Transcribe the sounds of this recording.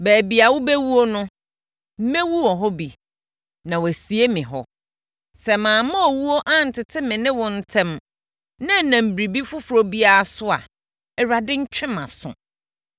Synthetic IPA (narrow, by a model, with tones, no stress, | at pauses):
bæː˨bi˨a˨wʊ˦bɛ˦wu˦o˦nʊ̃˦ | m̩˦mɛ̃˦wu˦wɔ̃˨ɦɔ˦bi˨ | nã˨wæ˨si˨e˦mɪ̃˨ɦɔ̰˦ | sɛ˨mãː˨mã˦ɔ˨wu˦o˦ʔã˦n̩˨tʰɪ˨tʰɪ˦mɪ̃˨nɪ̃˦wɔ̃˨n̩˦tʰɛ̃˦m | nã˦˨nã˨m̩˨bɾi˨bi˦fʊ˦fɾo˨bi˦a˦a˦sʊ˦a̰˨ | ɛ˨ɾa˨dɪ˦ɲ̩˦t͡ɕᶣɪ̃˦mã̰˨sʊ̰̃˨